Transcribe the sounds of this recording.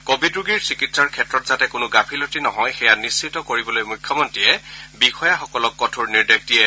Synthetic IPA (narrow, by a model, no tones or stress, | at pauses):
kobidɹuɡiɹsɹikitsaɹkʰɛtɹɔtzatɛkʊnʊɡapʰilotinɔɦɔjxɛjanisːitɔkoɹibɔlojmujkʰːɔmɔntɹijɛbixɔjaxɔkɔlɔkːɔtʰuɹniɹdek̚tiɛ